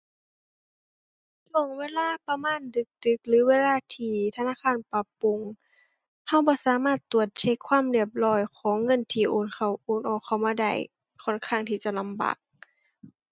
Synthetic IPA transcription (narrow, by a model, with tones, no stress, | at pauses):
lo˨˧˩ŋweː˧˥˨laː˧˥˨pa˧maː˧˥˨ndɯ˧˦k̚d̥ɯ˧˦k̚lɯː˨˦weː˧˥˨laː˧˥˨t̪ʰiː˧˩t̪ʰa˧naː˧˥˨kʰaː˧˥˨npa˧˦pːu˧˨ŋ | ha˧˥˨wbɔː˧˦saː˨˦maː˧˥˩t̪ːu˨˩ət̪̚t͡ɕʰe˧˥˨kʰwaː˧˥˨mdi˧˩əp̚lɔː˧˩jkʰɔː˨˦ŋːɤ˧˨nt̪ʰiː˧˩ʔoː˨˩nkʰa˧˩wʔoː˨˩nʔɔː˨˩kʰːa˧˩wmaː˧da̰˧˩j | kʰɔː˧˥˨nkʰaː˧˩ŋt̪ʰiː˧t͡ɕa˧˨la˧˥mba̰ː˨k̚